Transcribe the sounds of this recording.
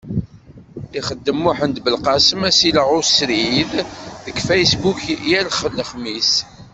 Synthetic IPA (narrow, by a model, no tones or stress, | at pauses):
iχəd̪ːəmːuħənd̪bəlqɑsəmæsiləʁʊsɾiððəɡfæjsbukjælχəlːəχmis